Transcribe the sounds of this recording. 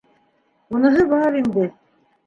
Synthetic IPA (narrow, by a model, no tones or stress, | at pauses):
unɤ̆ɦɤbɑɾind̪ɘ